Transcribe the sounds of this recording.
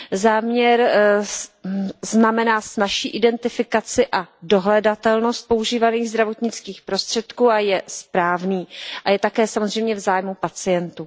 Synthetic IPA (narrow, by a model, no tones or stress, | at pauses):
zaːmɲɛɾ | znamɛnaːsnaʃiːʔɪdɛnt̪ɪfɪkat͡sɪʔado̞ɦlɛdat̪ɛlno̞st̪̚po̞uʒiːvaniːɣzd̪ɾavo̞t̪ɲɪt͡skiːxpɾo̞st̪r̝̥ɛt̪kuːajɛspɾaːvniːʔajɛt̪akɛːsamo̞zrɛjmɲɛvzaːjmupat͡sɪjɛnt̪uː